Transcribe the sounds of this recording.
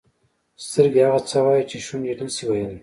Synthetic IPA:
st̪əɾɡehaɣat͡sawɑjit͡ʃeʃund͡ʒeɖəlsiwajəl

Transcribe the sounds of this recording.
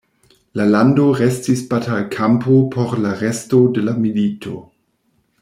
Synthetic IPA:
lalandoʁestisbatalkʰampopʰoɾlaʁestodelamilitʰo̰

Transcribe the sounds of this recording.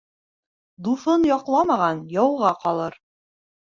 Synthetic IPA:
d̪ufɤnjɒqlˠɑmɑʁɑnjɒwʁɑqɒlˠɤɾ

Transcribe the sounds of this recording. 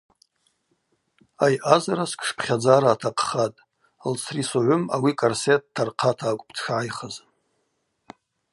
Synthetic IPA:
ajʔazaɾaskʰʼʂpʰχʲad͡zaɾaːtʰaqʰχatʼ | lt͡sʰrisoʕʷʊma̰wikʼarset̚ʰːarqʰatʰaːkʷʼptʰʂʕajχaz

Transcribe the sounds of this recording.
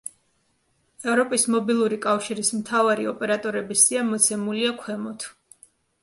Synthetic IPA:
ɛvɾɔpʼismɔbilˠuɾikʼafʃiɾismt̪ʰavaɾiɔpʼɛɾat̪ʼɔɾɛbisiamɔt̪sʰɛmuliakʰwɛmɔt̪ʰ

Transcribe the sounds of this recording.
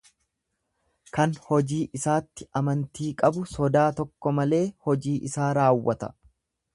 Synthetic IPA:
kɐnhɔd͡ʒiːʔɪsaːt̪ːɪʔɐmɐnt̪iːkʼɐbʊsɔd̪aːt̪ɔkːɔmɐle̞ːhɔd͡ʒiːʔɪsaːɾaːwːɐt̪ɐ̰

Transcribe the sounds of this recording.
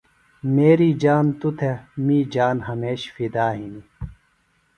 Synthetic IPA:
meːɾiːd͡ʑaːnt̪ut̪ʰemiːd͡ʑaːnɦɐmeːɕfid̪aːɦini

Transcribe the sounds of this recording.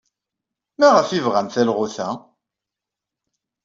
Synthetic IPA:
mæʁəfivʁæmθælʁʊθæ

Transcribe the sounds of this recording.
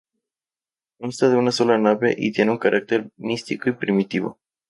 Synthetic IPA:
unst̪ad̪eunasolanabḛʔḭt̪ʲjenuŋkaɾak̚t̪ermist̪ikujpɾimit̪ivə̰

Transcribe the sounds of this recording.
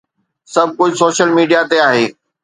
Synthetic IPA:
sɐb̚ʱkoːd͡ʑsoːʃəlmiːɖijat̪eaːɦeː

